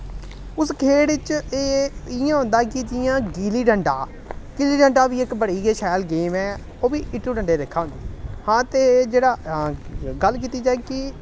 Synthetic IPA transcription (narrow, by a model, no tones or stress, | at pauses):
ʊskʰeːɽɪt͡ʃeːɪjãːɦʊ̃nd̪aːkɪd͡ʒɪjãːɡiːliːɖəɳɖaː | ɡ̥ɪːliːɖəɳɖaːbiːɪkbəɽiːɡeːʃɛːlɡeːmɛː | oːbiːʔɪʈːuːɖəɳɖeːd̪eːkʰːaːʊnd̪ihãːt̪eːd͡ʒeːɽaː | ɡəlk̬iːt̪iːd͡ʒaːeːkɪ